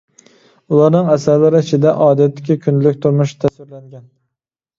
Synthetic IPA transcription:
ʊlˠɑɾnɪŋasaɾlaɾɪɪt͡ʃʰɪd̪aʔɒːd̪at̪ːɪ̥kʲɪkʰʲʊnlɪkʲt̪ʰʊɾmʊʃt̪ʰasvɪɾlaŋɡʲan

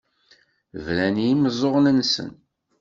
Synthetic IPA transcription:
vlænijiməzˤːoʁnənsə̰n

